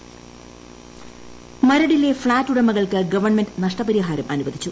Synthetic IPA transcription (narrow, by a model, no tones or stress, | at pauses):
mɐɾɐɽilːe̞fɭaːtːuɽɐmɐɣɐɭkɨɡɐʋɐrɳmendɨnɐʂʈɐpɐɾiɦaːɾɐmɐnubɐd̪ʱit͡ɕːu